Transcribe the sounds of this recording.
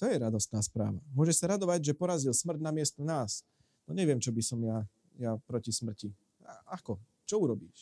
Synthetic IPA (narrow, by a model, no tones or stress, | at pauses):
t̪ɔjɛɾad̪ɔst̪naːspɾa̰ːʋamʊɔʒɛʃsaɾad̪ɔʋaɟʒɛpɔɾazilsmr̩d̪namɪɛst̪ɔnaːs | nɔɲɛʋɪɛmt͡ʃɔbisɔmja | japɾɔcismr̩ci | aakɔ | t͡ʃɔuɾɔbiːʃ